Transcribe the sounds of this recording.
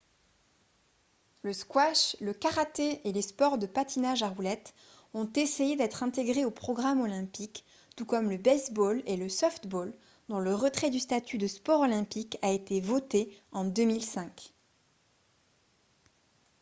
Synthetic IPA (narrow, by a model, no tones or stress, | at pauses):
ləskwaʃləkaʁat̪eelespɔʁd̪əpat̪ʰinaʒaʁulɛt̪ | ɔ̃t̪esejed̪ɛt̪χɛ̃t̪eɡʁeopχɔɡʁamɔlɛ̃pik | t̪ukɔmləbɛzboleləsɔft̪bol | d̪ɔ̃ləʁət̪χɛd̪yst̪at̪ʰyd̪əspɔʁɔlɛ̃pikaet̪evɔt̪eɑ̃d̪əmilsɛ̃k